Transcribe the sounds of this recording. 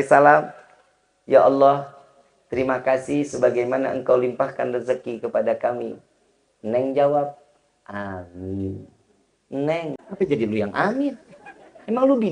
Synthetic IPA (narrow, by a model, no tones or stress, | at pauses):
salam | jaʔɑlːɔh | t̪əɾimakasihsəbaɡajmana̰ə̰ŋkawlimpahkandərzəkikəpadakamḭ | nɛŋd͡ʒawap̚ | ʔamɪn | nɛŋapad͡ʒadilujaŋʔamɪnemaŋlubi